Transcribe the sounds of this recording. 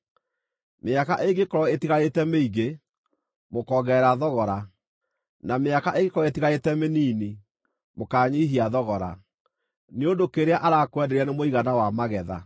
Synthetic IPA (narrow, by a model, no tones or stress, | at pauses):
meakaʔeɡekɔɾɔetiɣaetɛmeiɣe | mokɔɣɛɾaðɔɣɔɾa | nameakaʔeɡekɔɾɔetiɣaetɛmeniːni | mokaːɲiɦiaðɔɣɔɾa̰ | neondokeɾeaʔaɾakwɛdɛɾianemoiɣanawamaɣɛða̰